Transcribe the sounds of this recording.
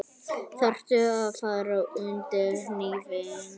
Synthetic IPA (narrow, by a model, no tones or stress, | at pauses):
θar̥t̪ʏaðfaːðɾaʏnt̪ɪɾnivɪn